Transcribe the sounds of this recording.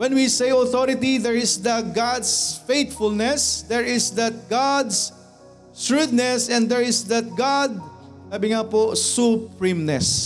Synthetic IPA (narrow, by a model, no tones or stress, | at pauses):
wɛnwisejɔθoɾɪt̪iðɛɹɪsd̪ɐɡad̪sfejt̪fʊlnɛsd̪ɛɹɪsd̪ɐt̪̚ɡad̪s | ɹud̪̚nɛsɛ̃nd̪ɛɹɪsd̪ɐt̪̚ɡad̪̚ | saːbɪŋaposʊpɹimnɛs